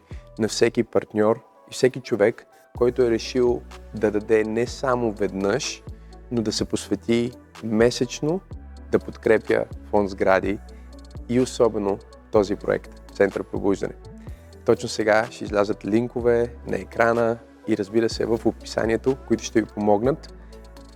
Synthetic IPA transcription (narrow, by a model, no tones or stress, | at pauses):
nɐfsɛkipɐɾt̪nʲɔɾ | ifsɛkit͡ʃovɛkː | ɔjt̪ʊɛɾɛʃilˠd̪ɐd̪ɐd̪ɛnɛsamovɛd̪nəʃnod̪ɐsɛposvɛt̪i | mɛsɛt͡ʃnod̪̥ɐpot̪kɾɛpjə̰fɔnzɡɾad̪iː | osɔbɛno | t̪ɔzipɾo̰ɛ̰kt̪t̪sɛnt̪əɾpɾo̰buʒd̪ɐ̰nɛ | t̪ɔt͡ʃnosɛɡaʃɛizlʲazət̪liŋkovɛnɐ̰ɛkɾanə | iɾəzbiɾəsɛ̰vəfopi̥sa̰niɛt̪okoit̪ʊ̥ʃt̪ɛvipomɔɡnət̪